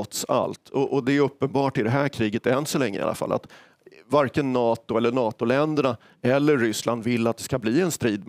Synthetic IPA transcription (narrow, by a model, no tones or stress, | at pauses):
ɔt̪sa̰lt̪ʰɔʔɔd̪ɛɵpːənbɑːʈɪd̪ɛɦæːɾkʰɾiːɡət̪ɛnsɔlɛŋːəɪ̰a̰la̰fa̰lʔa̰t̪ | vaɾkənːɑːt̪ʊɛlːəɳɑːt̪ʊlɛnd̪əɳa | ɛlːəɾːʏsland̪vɪlːat̪̚d̪ɛskabliːɛnst̪ɾiːd̪̚m